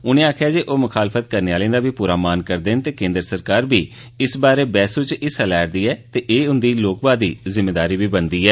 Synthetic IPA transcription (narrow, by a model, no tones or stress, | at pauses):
ʊnẽːaːkʰjaːd͡ʒeːʔoːmʊkʰaːlfʰət̪̚kəɾneːaːlẽːd̪aːbiːpuːɾaːmaːnkəɾd̪eːnt̪eːkẽːnd̪əɾəsəɾkaːɾbiː | ɪsbaːɾeːbɛːsuːt͡ʃɪsɛlɛːɾd̪iːɛːt̪eːʔeːʊnd̪iːloːkbaːd̪iːzɪmːeːd̪aːɾiːbiːbənd̪iːɛː